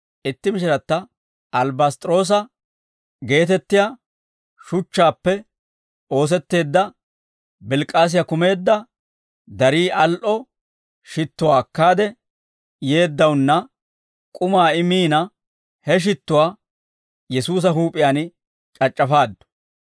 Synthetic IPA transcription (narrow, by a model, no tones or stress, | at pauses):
ʔɪt̪ːɪmɪʃ̬ɪɾɐt̪ːɐ | ɐlbɐst̪ʼɾo̞ːs̬ɐ | ɡe̞ːt̪ɛt̪ːɪja | ʃʊt͡ʃːaːpːɛ | o̞ːs̬ɛt̪ːe̞ːd̪ːɐ | bɪlkʼːaːs̬ɪjɐkʊme̞ːd̪ːɐ | d̪ɐɾiːʔɐlʔɔ | ʃɪt̪ːʊwaːkːaːd̪ɛ | je̞ːd̪ːɐwʊnːɐ | kʼʊmaːɪmiːnɐ | hɛʃ̬ɪt̪ːʊwaː | jɛsuːs̬ɐɦuːpʼɪjaːn | t͡ʃʼɐt͡ʃʼːɐfaːd̪ːɔ̥